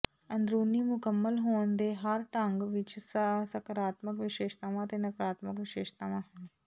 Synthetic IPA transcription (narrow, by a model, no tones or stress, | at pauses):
ənd̪ɾuːniːmʊkəmːəlɦoːənd̪eːɦəɾʈə̃ŋɡʋɪt͡ʃssəkəɾaːt̪məkʋɪʃeːʃt̪aːʋãːt̪eːnəkɾaːt̪məkʋɪʃeːʃt̪aːʋãːɦɛ̃ː